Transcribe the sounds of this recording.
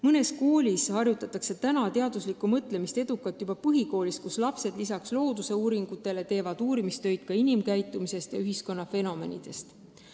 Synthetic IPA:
mɤne̞sko̞ːlʲishɑrjut̪ːˑɑt̪ːˑɑkse̞t̪ænɑt̪e̞ɑd̪uslikːˑumɤt̪ˑle̞mist̪e̞d̪̥ukːˑɑt̪ːjubɑpɤɦiko̞ːlist̪̚kuslɑpse̞d̪̥lisɑkslo̞ːd̪use̞uːɾiŋɡ̥ut̪ːˑe̞le̞t̪e̞ːvɑd̪̥uːɾimist̪ø̞jd̪̥̚kɑinimkæjt̪ːˑumise̞st̪jɑyɦisko̞nːɑfe̞no̞me̞̰nʲḭd̪̥e̞st̪

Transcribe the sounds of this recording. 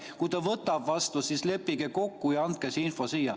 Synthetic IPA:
kujt̪ɑvɤt̪ːˑɑbvɑst̪usisle̞pːiɡeko̞kːujɑɑnt̪̚kesinfo̞siːjɑ

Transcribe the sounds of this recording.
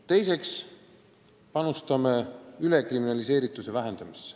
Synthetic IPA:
t̪e̞jse̞ks | pɑnust̪ɑmeylekriminɑlise̞ːɾit̪ːˑusevæɦe̞nd̪̥ɑmisːe̥

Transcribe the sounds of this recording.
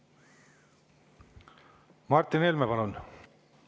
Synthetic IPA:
mɑrt̪ˑːinelmepɑlun

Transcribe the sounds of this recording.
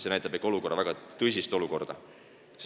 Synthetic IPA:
senæjt̪ːˑɑbekːˑo̞luko̞rːɑvæɡ̥ɑt̪ɤjs̬ʲist̪o̞luko̞rd̪̥ɑ | s

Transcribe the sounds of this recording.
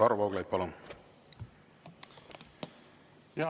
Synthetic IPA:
ɑɾuvɑwɡlɑjd̪̚pɑlon | jɑ

